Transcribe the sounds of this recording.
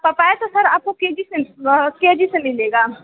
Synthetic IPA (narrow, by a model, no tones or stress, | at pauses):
pɐpaːet̪osɐɾaːp̚kokeːd͡ʒisekeːd͡ʒisemɪleːɡaː